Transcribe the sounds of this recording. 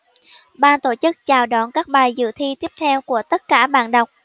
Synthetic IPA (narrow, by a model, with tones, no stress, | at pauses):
ɓaː˧nt̪o˧˩t͡ɕɨ˦˥k̚t͡ɕaː˨˩wɗɔ˧˩nkaː˦˥k̚ɓaː˨˩jzɨ̰˧˨t̪ʰi˧t̪i˦˥əp̚t̪ʰɛ˧wku˧˩ət̪ə˦˥t̚kaː˧˩ɓa̰ː˧˨nɗə˨˩wk͡p̚